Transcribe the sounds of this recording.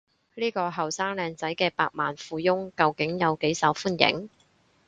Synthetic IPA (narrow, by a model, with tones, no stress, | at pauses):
liː˥kɔː˧ɦɐ˨wsaː˥ŋlɛː˨˧ŋt͡sɐ˨˥jkɛː˧paː˧k̚maː˨nfuː˨˧jʊ˥ŋkɐ˨˧wkɪ˨˥ŋjɐ˨˧wke˨˥jsɐ˨˥wfuː˥njɪ̰˨˥ŋ